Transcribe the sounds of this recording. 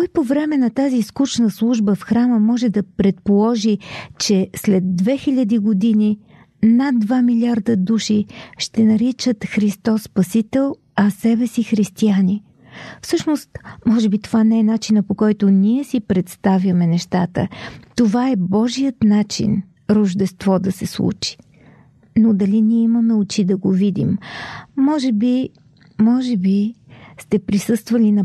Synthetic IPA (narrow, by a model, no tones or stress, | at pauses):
kɔjpovɾɛmɛnɐt̪aziskut͡ʃnəslˠuʒbəfxɾaməmɔʒɛd̪ɐpɾɛt̪̚polˠɔʒit͡ʃɛslɛd̪ːvɛxiʎʲəd̪iɡod̪ini | nad̪ːvamilʲiaɾd̪əd̪uʃiʃt̪ɛnɐɾit͡ʃət̪xɾist̪ɔsːpɐsit̪ɛlˠ | ɐsɛbɛsixɾist̪iani | fsɤʃnost̪mɔʒɛbit̪ovanɛɛnat͡ʃinəpokɔjt̪oniɛsipɾɛt̪st̪avjəmɛnɛʃt̪at̪ə̰t̪ovaɛbɔʒijət̪nat͡ʃḭn | ɾoʒd̪ɛst̪vɔd̪ɐsɛslˠṵt͡ʃi̥ | nod̪ɐliniɛimənɐut͡ʃid̪ɐɡovid̪ḭmː | ɔʒɛbi | mɔʒɛbist̪ɛpɾisɤst̪vəlinɐ